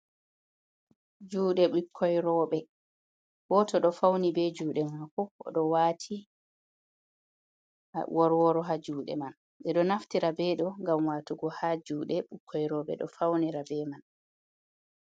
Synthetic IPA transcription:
d͡ʒuːɗɛɓukʰːɔjɾɔːɓɛ | wɔtɔɗɔfawnibɛd͡ʒuːɗɛmakɔɔ̰ɗɔwaːtʰi | wɔɾwɔɾɔɦad͡ʒuːɗɛ̰man | ɓɛɗɔnaftiɾabɛɗɔŋɡamwatuɡɔhad͡ʒuːɗɛɓukʰːɔjɾɔːɓɛ̰ɗɔ̰fawniɾabɛman

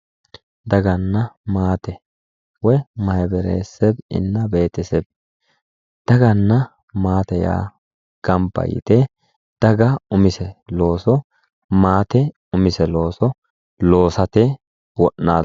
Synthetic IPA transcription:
d̪ɐɡɐnːɐmaːt̪ɛ | wɔmɐhɛbɛɾḛːsːɛbɪ̰nːɐbe̞ːt̪ɪsɛb | d̪̥ɐɡɐnːɐ | maːt̪ɛja̰ː | ɡ̥ɐmpːɐ̰jɪ̰t̪ɛ | d̪̥ɐɡɐʊmɪsɛlo̞ːsɔ | maːt̪ɛ | ʊmɪsɛlo̞ːsɔ | lo̞ːsɐt̪ɛ | wɔʔnaː

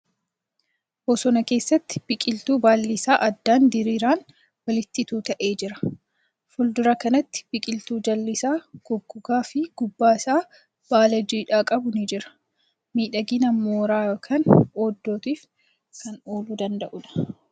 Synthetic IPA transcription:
hɔːsɔnɐke̞ːsːɐt̪ːɪ̥b̥ɪkʼɪlt̪uːbaːlːɪsaːʔɐd̪ːaːnd̪ɪɾiːɾaːn | wɐlɪt̪ːɪt̪uːt̪ɐʔeːd͡ʒɪɾɐ̥ | fʊld̪ʊɾɐkɐnɐt̪ːɪ̥b̥ɪkʼɪlt̪uːd͡ʒɐlːɪsaːɡ̥ɔɡːʊɡaːfɪɡ̥ʊbːaːɪsaː | b̥aːlɐd͡ʒiːᶑaːkʼɐbʊnɪd͡ʒɪɾɐ̥ | miːᶑɐɡinɐmoːɾaːkʰɐnoːd̪ːo̞ːt̪iːf | kɐnoːluːd̪ɐnd̪ɐʔʊᶑɐ̥

